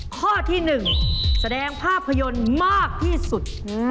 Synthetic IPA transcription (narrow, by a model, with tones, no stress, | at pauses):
kʰɔː˥˩t̪ʰiː˥˩nɯ˨˩ŋsa˧dɛː˧ŋpʰaː˥˩pʰːa˧jo˧nmaː˥˩k̚t̪ʰiː˥˩su˨˩t̪̚